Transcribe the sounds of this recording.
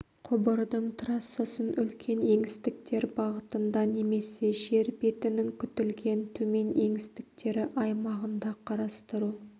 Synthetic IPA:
qʰʊbəɾd̪əɴt̪ʰɾɑsːəsənʏlkʲʰe̞neŋɪst̪ɪk̚t̪e̞ɾbɑʁət̪ənd̪ɑne̞me̞se̞ʃe̞ɾbe̞t̪ɪnɪŋkʲʰʏt̪ɪlɡʲe̞nt̪ʰɵme̞ne̞ŋɪst̪ɪ̥k̚t̪e̞ɾɪʔɑjmɑʁənd̪ɑqʰɑɾɑst̪əɾu

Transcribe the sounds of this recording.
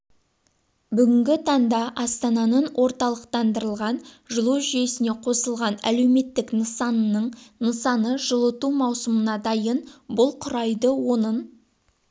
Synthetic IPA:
bʏɡʲɪŋɡʲɪt̪ʰɑɴd̪ɑʔɑst̪ɑnɑnəɴwʔo̞ɾt̪ɑlˠəqt̪ɑnd̪əɾəlˠʁɑn | ʒəlˠuʒijesɪne̞qʰo̞səlˠʁɑnæ̰le̞wme̞t̪ːɪknəsɑnːəɴnəsɑnəʒəlˠət̪umɑwsəmənɑd̪ɑjənbʊlˠqʰʊɾɑjd̪əwo̞nən

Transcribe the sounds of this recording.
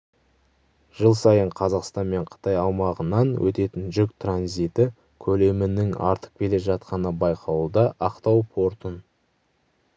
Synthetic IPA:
ʒ̥əlˠsɑjəɴqʰɑzɑqst̪ɑnme̞ɴqʰə̥t̪ɑjɑwmɑʁənɑnwʔɵ̰t̪e̞t̪ɪnʒʏk̚t̪ranzit̪ɪ | kʲʰɵle̞mɪnɪŋɑ̰ɾt̪ə̥q̚kʲʰe̞le̞ʒɑt̪̚qɑnəbɑjqʰɑwud̪ɑʔɑqt̪ɑwpʰo̞ɾt̪ən

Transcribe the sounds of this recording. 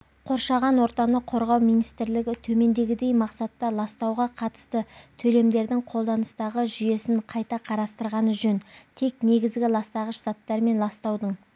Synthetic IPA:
qʰo̞ɾʃɑʁɑnwo̞ɾt̪ɑnəqʰːo̞ɾʁɑwmijnijst̪ɪɾlɪɡʲɪt̪ʰɵme̞nd̪e̞ɡʲɪd̪e̞jmɑqsɑt̪ːɑlˠɑst̪ɑwʁɑqʰɑt̪ə̥st̪ət̪ʰɵle̞md̪e̞ɾd̪ɪŋqʰo̞lˠd̪ɑnəst̪ɑʁəʒʏje̞sɪɴqʰɑjt̪ɑqʰɑɾɑst̪əɾʁɑnəʒɵnt̪ʰe̞k̚ne̞ɡʲɪzɡʲɪlˠɑst̪ɑʁəʃz̥ɑt̪ːɑɾme̞nlˠɑst̪ɑwd̪əɴ

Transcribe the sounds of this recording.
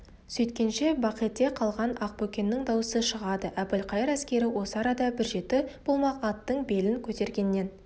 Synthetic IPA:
sɵjt̪kʲe̞nʃe̞bɑqijt̪ːe̞qʰɑlˠʁɑnɑq̚bɵkʲe̞nːɪŋd̪ɑwəsəʃəʁɑd̪əʔæpɪlqʰɑjəɾæskʲe̞ɾɪwo̞səɑɾɑd̪ɑbɪɾʒe̞t̪ɪb̥o̞lˠmɑqɑt̪ːəɴbe̞lɪŋkʲʰɵt̪e̞ɾɡʲe̞nːe̞n

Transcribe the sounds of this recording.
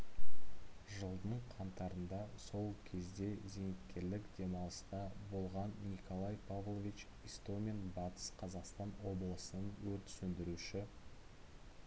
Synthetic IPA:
ʒəlˠd̪əɴqʰɑnt̪ɑɾənd̪ɑso̞lˠkʲʰe̞zd̪e̞ze̞ŋɪkʲkʲːe̞ɾlɪkd̪e̞mɑlˠəst̪ɑbo̞lˠʁɑnːikʰolˠɑjpʰavlˠovit͡ʃ | ist̪omʲenbɑt̪ə̥sqʰɑzɑqst̪ɑnwo̞blˠəsənənwɵɾt̪ɪ̥sɵnd̪ɪɾuʃɪ

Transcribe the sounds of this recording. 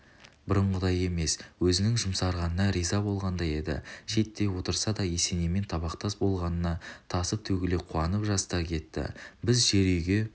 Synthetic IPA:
bɪɾəɴʁəd̪ɑje̞me̞swɵzɪnɪŋʒʊmsɑɾʁɑnənɑɾijzɑbo̞lˠʁɑnd̪ɑje̞d̪ɪ̰ʃe̞t̪ːe̞wo̞t̪əɾsɑd̪ɑjese̞neme̞nt̪ʰɑβɑqt̪ɑsbo̞lˠʁɑnənɑt̪ʰɑsəp̚t̪ʰɵɡʲɪleqʰuɑnəpʒɑst̪ɑkʲʰe̞t̪ːɪ̰bɪzʒe̞ɾejɡʲe̞

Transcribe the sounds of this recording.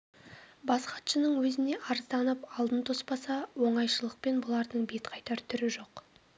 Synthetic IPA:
bɑsqɑt̪ʃənəɴwɵzɪne̞ʔɑɾəzd̪ɑnəpɑlˠd̪ənt̪ʰo̞spɑsɑwo̞ɴɑjʃəlˠəq̚pe̞nbʊlˠɑɾd̪əɴbe̞t̪qʰɑjt̪ɑɾt̪ʰʏɾɪʒo̞q

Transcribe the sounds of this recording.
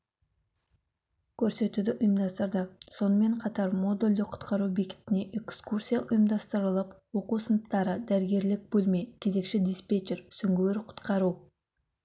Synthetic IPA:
kʲʰɵɾse̞t̪ud̪ɪʔʊjəmd̪ɑst̪əɾd̪əso̞nəme̞ɴqʰɑt̪ɑɾmo̞d̪ulʲd̪ɪqʰʊ̥t̪qɑɾubikʲɪ̥t̪ɪne̞ʔekskursʲijaʔʊjəmd̪ɑst̪əɾəlˠəpwo̞quwsənəpt̪ːɑɾəd̪æɾɪɡʲe̞ɾlɪk̚bɵlmejkʲʰe̞ze̞kʃɪd̪ispet͡ʃeɾsʏŋɡʲweɾqʰʊ̥t̪qɑɾu

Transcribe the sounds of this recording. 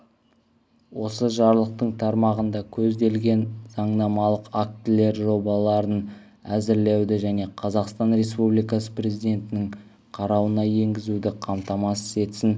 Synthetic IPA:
wo̞səʒɑɾlˠəq̚t̪əɴt̪ʰɑɾmɑʁənd̪ɑkʲʰɵzd̪e̞lɡʲe̞nzɑɴnɑmɑlˠəqak̚t̪ʲɪle̞ɾʒo̞bɑlˠɑɾən | æzɪɾlewd̪ɪʒæne̞qʰɑzɑqst̪ɑnɾe̞spublijkɑsə̥pre̞zijd̪ʲe̞nt̪ɪnɪŋ | qʰɑɾɑwənɑje̞ŋɡʲɪzud̪ɪqʰɑmt̪ɑmɑsə̥se̞t̪sɪn

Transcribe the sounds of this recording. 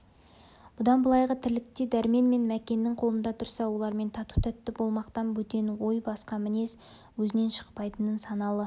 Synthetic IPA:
b̥ʊd̪ɑnbəlˠɑjʁət̪ʰɪlɪk̚t̪ed̪æɾme̞nme̞nmækʲe̞nːɪŋqʰo̞lˠənd̪ɑt̪ʰʊɾsɑwo̞lˠɑɾme̞nt̪ʰɑt̪u̥t̪ʰæt̪ːɪbo̞lˠmɑqt̪ɑnbɵt̪e̞nwo̞jbɑsqɑmɪne̞s | wɵzɪne̞nʃə̥qpɑjt̪ənənsɑnɑlˠə

